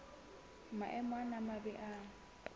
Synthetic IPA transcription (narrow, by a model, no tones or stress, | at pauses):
maʔɛmwanamabɛʔa